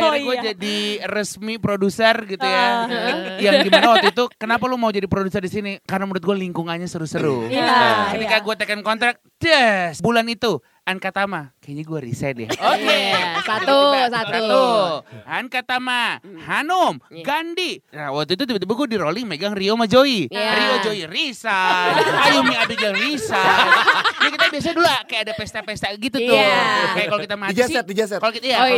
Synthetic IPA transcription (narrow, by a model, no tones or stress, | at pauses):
aɡuad͡ʒadirəsmipɾodusərɡit̪uja | jaŋɡimanawak̪uit̪ukənapalumaud͡ʒadipɾodusərdisinikarnaməɾʊt̪̚ɡualiŋkuŋaɲasəɾusəɾu | kət̪ikaɡuat̪akankɔnt̪ɾak̚d͡ʒəsbulanit̪u | ʔankat̪amakaɲaɡuaɾḭsɛt̪ja̰okesat̪usat̪sat̪uankat̪amahanomɡandinawak̚t̪uit̪ut̪ibat̪ibaɡuadiɾolɪŋmeɡaŋriomad͡ʒoiɾiod͡ʒoirisaajumiabiɡaŋrisa | d͡ʒakit̪abias̬aadulakajaadapɛst̪apest̪aɡit̪ut̪ʊkajakalokit̪amad͡ʒsiɛd͡ʒasɛkalokit̪aja